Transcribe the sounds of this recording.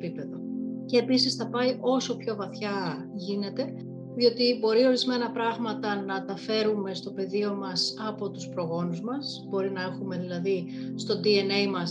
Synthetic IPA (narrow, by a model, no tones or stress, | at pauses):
pipe̞ðo̞ce̞ːpisisθɐpɐiʔo̞so̞pço̞vɐθçɐ | ʝine̞t̪e̞ | ðio̞t̪ibo̞ɾio̞ɾizme̞nɐpɾɐɣmɐt̪ɐnɐt̪ɐfe̞ɾume̞st̪o̞pe̞ðio̞mɐsɐpo̞t̪uspɾo̞ɣo̞nuzmɐs | bo̞ɾinɐe̞xume̞ðilɐði | st̪o̞d̪ienejmɐs